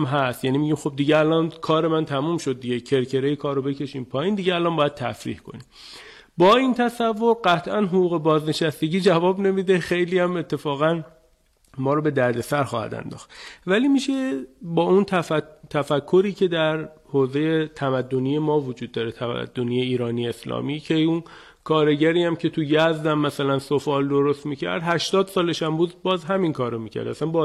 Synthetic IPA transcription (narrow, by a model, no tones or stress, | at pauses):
mɦæst̪jæniːmiɟiːmxo̞b̚d̪iɟeælɒːnkʰɒːɾe̞mænt̪ʰæmumʃod̪̚ːiɟecʰe̞ɾcʰe̞ɾejikʰɒːɾobe̞cʰe̞ʃiːmpʰɒːjiːnd̪iɟeælɒːnbɒːjæd̪̥̚t̪ʰæ̰fɾḭːhkʰo̞̰nim | bɒːint̪ʰæsævːo̞ɾɢæt̪ʰʔænɦoɡuːɣe̞bɒːzne̞ʃæst̪e̞ɟiːd͡ʒævɒːbne̞miːd̪e̞xe̞jliːjæmet̪ʰːe̞fɒːɣæn | mɒːɾobe̞d̪æɾd̪e̞sæɾxɒːhæ̰d̪æ̰nd̪ɒ̰ːxt̪væliːmiʃe̞bɒːunt̪ʰæt̪ʰæfækʰːo̞ɾiːcʰe̞d̪æɾhoːze̞jet̪ʰæmæd̪ːo̞nije̞mɒːvod͡ʒuːd̪̚ːɒːɾet̪ʰæmæ̰d̪̥ːoniːeiːɾɒːnijeslɒ̰ːmiːcʰeun | kʰɒːɾeɟæɾiːæmcʰe̞t̪ʰujæzd̪æmːæsælænsofɒːld̪oɾost̪miːcʰæ̰ɾd̪hæʃt̪ɒːd̪sɒːleʃæmbuːd̪bɒːzɦæminkʰɒːɾomiːcʰæ̰ɾd̪æ̰sænbɒ